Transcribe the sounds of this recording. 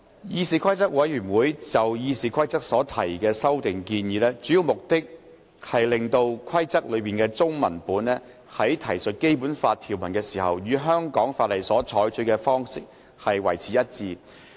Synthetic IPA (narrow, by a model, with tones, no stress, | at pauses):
jiː˧siː˨˩kʷʰɐ˥jt͡sɐ˥k̚wɐ˨˥jjyː˨˩nwuː˨˥jt͡sɐ˨wjiː˧siː˨kʰɐ˥jt͡sɐ˥k̚sɔː˨˥t̪ʰɐ˨˩jkɛː˧sɐ˥wt̪ɪ˨ŋkiː˧njiː˨˧lɛː˥t͡ʃy˨˥jiː˨˧wmʊ˨k̚t̪ɪ˥k̚ | hɐ˨jlɪ˨ŋt̪o˧wkʰɐ˥jt͡sɐ˥k̚lɵ˨˧ɥpiː˨nkɛː˧t͡sʊ˥ŋmɐ̰˨˩npuː˨˥nɛː˥ | hɐ˨˥jt̪ʰɐ˨˩jsɵ˨t̚ke˥jpuː˨˥nfaː˧t̪ʰiː˨˩wmɐ˨˩nkɛː˧siː˨˩ɦɐ̰˨wjyː˨˧ɦœː˥ŋkɔː˨˥ŋfaː˧t̚lɐ˨jsɔː˨˥t͡sʰɔː˨˥jt͡sɵ˧˥kɛː˧fɔː˥ŋsɪ˥k̚ | hɐ˨jwɐ̰˨˩jt͡sʰiː˨˥jɐ˥t̚t͡siː˧